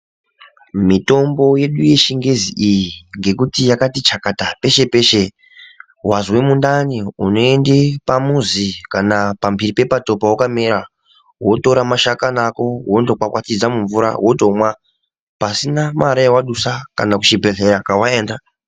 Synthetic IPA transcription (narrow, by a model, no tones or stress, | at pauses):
mito̞mbo̞je̞ɗuje̞ʃiŋɡe̞ziʔijiŋɡe̞kutijakatit͡ʃakatape̞ʃe̞pe̞ʃe̞ | wazwemundaniuno̞e̞nde̞pamuzikanapambiripe̞pato̞pawokameɾa | wo̞to̞ɾamaʃakanako̞ɦwo̞ndokwakwatid͡zamuɱvuɾa̰wo̞tomwa | pasinamaɾajewaɗusakanakut͡ʃibʱe̞ɮe̞ɾakawaeːnda